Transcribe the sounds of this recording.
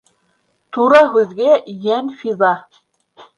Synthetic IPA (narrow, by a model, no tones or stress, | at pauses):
t̪uɾɑɦʉðɡæjænfiðɑ